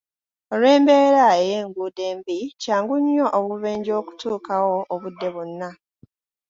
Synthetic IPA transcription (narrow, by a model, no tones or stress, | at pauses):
oɾe̞ːmbe̞ːɾaejeːŋɡude̞ːmbicaːŋɡuɲːo̞ʔoβuβe̞ːɲɟo̞ːku̥tuːkawoːβudːe̞βonːa